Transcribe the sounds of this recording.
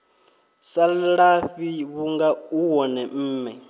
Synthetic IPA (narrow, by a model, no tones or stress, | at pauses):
saɺaɸiβuŋɡauwɔnɛm̩ːmɛ